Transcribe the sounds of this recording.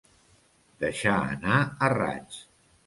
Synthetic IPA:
d̪̥əʃaə̰naəra̰t͡ʃ

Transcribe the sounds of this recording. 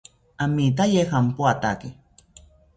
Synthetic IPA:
amit̪̬ajexampuat̪ake

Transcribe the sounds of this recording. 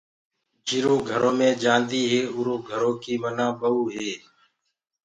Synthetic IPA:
d͡ʒiɾoːɡʱəɾoːmẽːd͡ʒãːnd̪iːɦeːʊɾoːɡʱəɾoːkiːmənãːɓəuːɦeː

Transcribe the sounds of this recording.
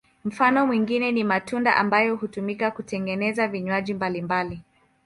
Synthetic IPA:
m̩fanɔmwiŋɡinɛnimatunda̰ʔambajɔhutumikakutɛŋɡɛnɛzaviɲwaʄimbalimbali

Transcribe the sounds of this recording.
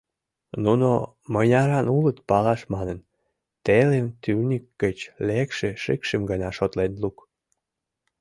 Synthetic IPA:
nuno | mənʲɑɾɑnulət̪pɑlɑʃmɑnən | t̪elemt̪yrnʲikːət͡ɕlekʃeʃekʃemɡənɑʃot̪lenluk

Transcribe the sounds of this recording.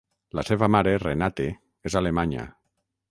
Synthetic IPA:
laseβamaɾerenat̪e | ezalemaɲa̰

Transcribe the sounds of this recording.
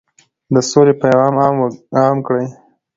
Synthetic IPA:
d̪əsolepajɣɑmɑɑmkɽəj

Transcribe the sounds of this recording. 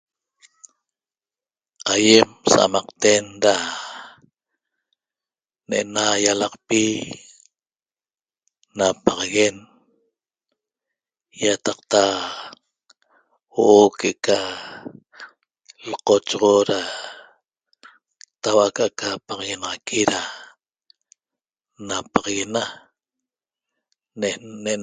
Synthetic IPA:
aje̞msa̰mɑqt̪e̞nɾa | neʔenajalɑqpi | napɑʁɑɣe̞n | jat̪ɑqt̪a | woʔokeʔka | lqot͡ʃʁoɾa | t̪awakaʔkapɑʁɣenɑʁɑkʰiɾa | napɑʁɑɣena | nee

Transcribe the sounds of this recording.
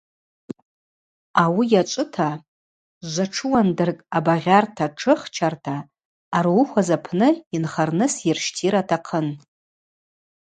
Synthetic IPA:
awijat͡ʃʷʼɨtʰa | ʒʷaʈ͡ʂʰɨwandɨrkʼabaʁʲartʰaʈ͡ʂʰɨχt͡ʃʰartʰaː | ruxʷazapʰnɨinχarnɨsɪrʃtʰiɾatʰaqʰən

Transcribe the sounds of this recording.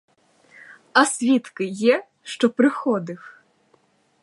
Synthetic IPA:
ɐsʲʋʲit̪kɪjɛ | ʃt͡ʃɔpɾɪxɔd̪ɪw

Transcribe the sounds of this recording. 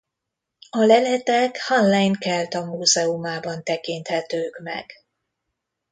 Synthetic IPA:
ɒlɛlɛt̪ɛkhɔnlajnkɛlt̪ɒmuːzɛumaːbɒnt̪ɛkint̪hɛt̪øːkmɛ̰ɡ̥

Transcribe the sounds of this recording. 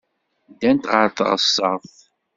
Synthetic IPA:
d̪ænt̪ʁəɾθə̰ʁəsːə̰ʁθ

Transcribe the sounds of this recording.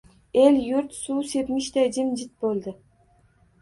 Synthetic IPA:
elʲjʊɾt̪suːse̞t̪mɪʃt̪ʰad͡ʒɪmd͡ʒɪt̪̚bolˠd̪ɪ

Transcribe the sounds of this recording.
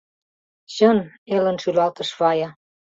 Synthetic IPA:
ɕɤ̆n | elə̆nʃylɑlt̪ɤ̆ʃβɑjɑ

